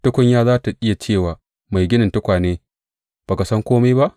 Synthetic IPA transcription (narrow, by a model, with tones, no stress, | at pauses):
tʊ˦kʷʊ˦ɲjaː˦zaː˦ta˨ʔɪ˦ja˨t͡ʃeː˦˨waː˨ | ma˨jɡʲɪ˦nɪ˨ntʊ˦kʷaː˨neː˦ | b̥aː˨ka˨sɐ˦ŋkʷoː˦ma˦ba˦ʔ